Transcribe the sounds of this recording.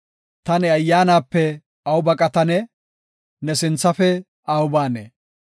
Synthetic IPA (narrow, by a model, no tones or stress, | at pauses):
t̪ɐnɛɐjːaːnaːpːɛ | ɐwʊbɐkʼɐt̪ɐnɛ | nɛsɪnt͡sːɐfɛ | ɐwʊbaːnḛː